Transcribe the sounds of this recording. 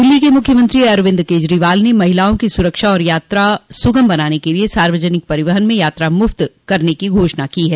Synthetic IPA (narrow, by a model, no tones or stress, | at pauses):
d̪ɪlːikemʊkʰjəmə̃nt̪ɾiɐɾʋɪ̃nd̪keːd͡ʒɾiʋaːlnemɐɦɪlaːõkisʊɾəkʃaɔːɾjaːt̪ɾasʊɡəmbɐnaːnekeliesaːɾʋəd͡ʒənɪk̚pɐɾɪʋəɦənmẽjaːt̪ɾamʊft̪kɐɾnekiɡʱoːʃnakiɦɛː